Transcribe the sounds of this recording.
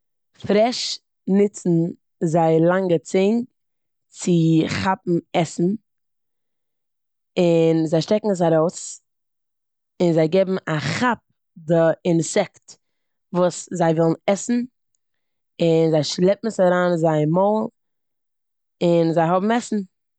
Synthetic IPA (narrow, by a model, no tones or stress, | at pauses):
fɾɛʃ | nɪt͡sn̩ | zaɪlˠaŋɡət͡seɪn | t͡sɪχapm̩ɛsn̩ | ɪnzaɪʃtɛkŋ̩s̬aɾoʊs | ɪnzaɪɡeɪbm̩aχap̚ | dɪɪnsɛkt | vuːszaɪvɔlˠn̩ɛsn̩ | ɪnzaɪʃlˠɛpm̩saɾaːnzaɪmɔːlˠ | ɪnzaɪhɔbm̩ɛsn̩